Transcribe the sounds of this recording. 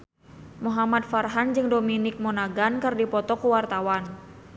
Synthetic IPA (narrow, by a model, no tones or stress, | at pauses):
muɦamat̪̚farɦand͡ʒɨŋdominɪk̚mɔnaɡankɨrdipɔt̪ɔkuwart̪awan